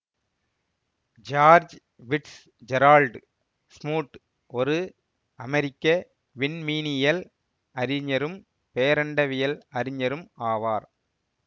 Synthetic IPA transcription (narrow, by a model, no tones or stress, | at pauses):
d͡ʒaːɾd͡ʒ | ʋɪʈs | d͡ʒɛɾaːlɖ | smuːʈː | ɔɾɯ | ɐmɐɾɪkːɐ | ʋɪnmiːnɪjɐl | ɐɾɪɲːɐɾɯm | peːɐɾɐɳɖɐʋɪjɐlɐɾɪɲɐɾɯmaːʋaːɾ